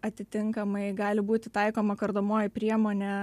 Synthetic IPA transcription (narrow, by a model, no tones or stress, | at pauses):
ɐt̪ʲɪt̪ʲɪŋkɐmɐɪɡɑːlʲɪbuːt̪ʲɪt̪ɐɪkoːmɐkɐɾd̪oːmoːjɪpʲɾʲiɛmoːnʲɛ